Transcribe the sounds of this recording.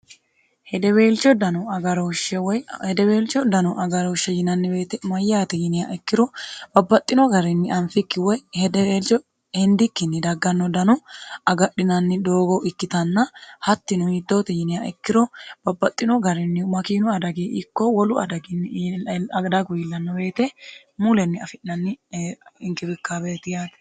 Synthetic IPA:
hɛd̪ɛwe̞ːlt͡ʃːɔd̪ɐnɔɡɐɾɔʃɛwɔjhɛd̪ɛwe̞ːlt͡ʃːɔd̪ɐnɔʔɐɡɐɾɔːʃːɛjɪnɐnːɪbe̞ːt̪ɛmɐjːaːt̪ɪjɪnɪja̰ʔɪkːɪɾɔb̥ɐbːɐt̪ʼːɪnɔɡɐɾɪnːɪʔɐnfɪkːɪwɔjhɛd̪ɛlt͡ʃɔ | ɛnd̪ɪkːɪnːɪd̪ɐɡːɐnːɔd̪ɐnɔɐɡɐɗɪnɐnːɪd̪o̞ːɡɔʔɪkːɪt̪ɐnːɐhɐt̪ːɪnʊhid̪ːoːt̪ɪjɪnɪjaɛkːɪɾɔb̥ɐbːɐt̪ʼːɪnɔɡɐɾɪnːɪmɐkiːnʊɐd̪ɐɡiːʔɪkːɔwɔlʊɐ̰d̪ɐɡɪnːɪɐɡd̪aɡʊjɪlːɐnːɔbe̞ːt̪ɛ | mulɛnːɪɐfɪʔnɐnːɪɪŋkɪbɪkːabeːt̪ɪjaːt̪ɛ̥

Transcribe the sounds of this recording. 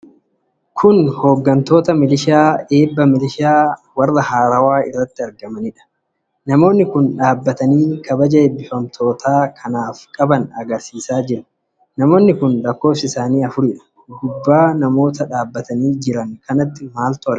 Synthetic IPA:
kʰʊnho̞ːɡːɐnt̪o̞ːt̪ɐmɪlɪʃaːe̞ːbːɐmɪlɪʃaːwɐrːɐhaːɾɐwaːɪ̰rːɐt̪ːɪɐɾɡɐmɐnɪᶑɐ̥ | nɐmo̞ːnːɪkʊnᶑaːbːɐt̪ɐniːkʰɐbɐd͡ʒɐɛbːɪfɐmt̪ʰo̞ːt̪aːkʰɐnaːfkʼɐbɐnɐɡɐɾsiːsaːd͡ʒɪɾɐ̥ | nɐmo̞ːnːɪkʊnlɐkːo̞ːfsɪɪsaːniːɐfʊɾɪᶑɐ̥ | hhʊbːaːnɐmo̞ːt̪ɐᶑaːbːɐt̪ɐniːd͡ʒɪɾɐŋkɐnɐt̪ːɪmaːlt̪ʊɐl

